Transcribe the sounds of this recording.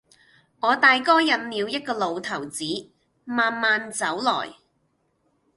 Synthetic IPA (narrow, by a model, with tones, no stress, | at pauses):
ŋɔː˨˧t̪aː˨jkɔː˥jɐ˨t̚miː˨˧wjɐ˥t̚kɔː˧lo˨˧wt̪ʰɐ˨˩wt͡siː˨˥ | maː˨nmaː˨˧nt͡sɐ˨˥wlɔ̰ː˨˩j